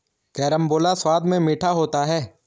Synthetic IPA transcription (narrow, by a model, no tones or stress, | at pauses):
kɛːɾəmboːlaswaːd̪mẽmiːʈʰaɦoːt̪aɦɛː